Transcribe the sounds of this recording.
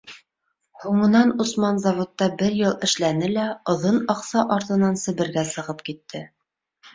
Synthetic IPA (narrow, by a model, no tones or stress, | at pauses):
huɴɤ̆nɑnosmɑnzɑvŏt̪ːɑbɘɾjɤlˠɘ̆ʃlænɘlæŏðɤnɑqsɑʔɑɾt̪ɤ̆nɑnsɘ̆βɘ̆ɾɡæsɤ̆ʁɤpkit̪ːɘ